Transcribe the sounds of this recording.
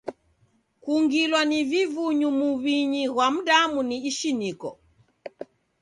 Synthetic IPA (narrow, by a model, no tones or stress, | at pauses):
kuŋɡilwanivivuɲumuβiɲiɣwam̩ɗamuniːʃinikɔ̰